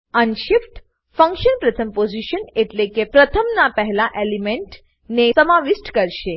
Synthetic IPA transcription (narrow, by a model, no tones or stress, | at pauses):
ənʃifʈ | fə̃ŋkʃənpɾət̪ʰəmpod͡ʒiʃəneʈlekepɾət̪ʰəmnapəɦɛlaʔelimeɳʈ | nesəmaʋisʈkəɾʃe